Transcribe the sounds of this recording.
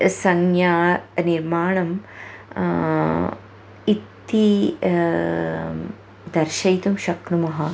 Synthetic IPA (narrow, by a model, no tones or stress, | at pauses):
sɐŋjaniɾmaːɳɐm | it̪ːi | d̪ɐɾʃɐjt̪umʃɐkɾumɐɦɐ